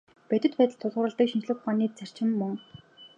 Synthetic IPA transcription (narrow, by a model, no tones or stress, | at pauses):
pæt̪ʲɘ̆t̪̚pæːt̪ə̆ɮt̪ʰːʊɮʁə̆ɾə̆ɮt̪ə̆kʃint͡ɕɮɘ̆χʊχaːniːt͡sær̥t͡ɕɪ̆mːɵŋ